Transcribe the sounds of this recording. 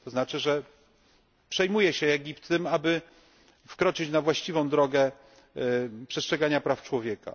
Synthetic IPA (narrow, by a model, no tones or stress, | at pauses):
t̪ɔznat͡ʂɘʐɛ | pʂɛjmujɛɕɛɛɡʲipt̪ːɘmabɘ | fkɾɔt͡ʂɘt͡ɕnavwaɕt͡ɕivɔ̃w̃d̪ɾɔɡɛ | pʂɛstʂɛɡaɲapɾaft͡ʂwɔvʲjɛka̰